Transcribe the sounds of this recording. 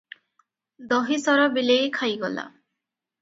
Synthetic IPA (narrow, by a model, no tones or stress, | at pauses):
d̪ɔɦisɔɾɔbilejkʰajɡɔla̰